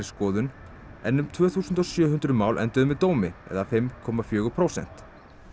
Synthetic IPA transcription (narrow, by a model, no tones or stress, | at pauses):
ɾɪskɔːðʏn | ɛnːʏmt̪ʰvœːθusʏnt̪ɔsjœːɦʏnt̪ɾʏmaːwlʔɛ̰nt̪ʏðʏmvɛt̪oːwmɪɛ̰ðafɪmkʰɔːmafjʏːɣʏpʰɾowsɛ̰n̥t̪